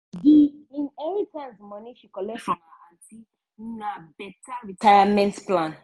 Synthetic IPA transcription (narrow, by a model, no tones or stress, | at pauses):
diĩnɛnitɛ̃nsmɔniʃikɔlɛkʃɔ̃naati | nabɛtaɹitʰajamɛ̃ntplãn